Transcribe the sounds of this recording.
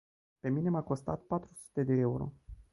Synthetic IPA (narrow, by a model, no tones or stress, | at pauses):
pe̞minemako̞st̪at̪̚pat̪ɾusu̥t̪e̞d̪e̞euɾo̞̰